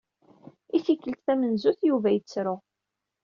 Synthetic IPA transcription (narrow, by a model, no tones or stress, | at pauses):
iθikːəlt̪θæmənzʊθjuvæjət͡sːɾʊʁ